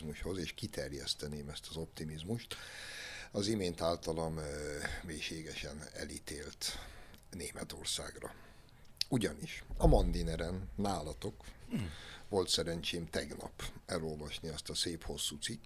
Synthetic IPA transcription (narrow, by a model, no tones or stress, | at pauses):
muʃho̞zeːʃkit̪ɛrjɛ̰st̪ɛneːmɛst̪ɒzo̞pt̪imizmuʃt̪ | ɒzimeːnt̪aːlt̪ɒlɒmmeːʃeːɡɛʃɛnɛ̰lit̪eːlt̪ | neːmɛt̪o̞̰rsa̰ːɡrɒ̰ | uɟɒniʃɒmond̪inɛɾɛnːaːlɒt̪o̞k | ʋo̞lt̪sɛɾɛnt͡ʃeːmt̪ɛɡnɒ̰pɛlolvɒʃniɛst̪ɒseːpho̞sːuːt̪sikː